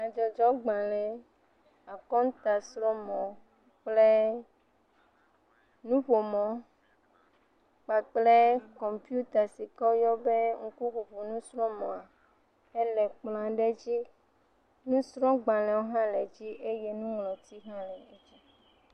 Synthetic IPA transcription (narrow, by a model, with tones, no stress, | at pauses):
a˨d͡ʒɔ˨d͡ʒɔ˦ɡ͡bã˨lɛ̃˨ | a˨kɔ˦ŋ˦t̪a˨sɾɔ˦mɔ̃˨ | k͡ple˦ | nũ˦ɸo˨mɔ̃˨˦ | k͡pa˨k͡ple˦kɔ˨mpi˦u˦t̪a˨si˨kɔ˦jɔ˦be˦ŋ̩˦ku˦ɸu˨ɸu˨nũ˦sɾɔ̃˦mɔ̃˨a˨ | e˦lɛ˨k͡plã˨ɖe˦d͡ʑi˦ | nũ˦sɾɔ̃˦ɡ͡bã˨lɛ̃˨wo˦ɦã˦lɛ˨d͡ʑi˦ʔe˦je˦nũ˦ŋlɔ̃˨t̪i˦ɦã˦lɛ˨e˦d͡ʑi˦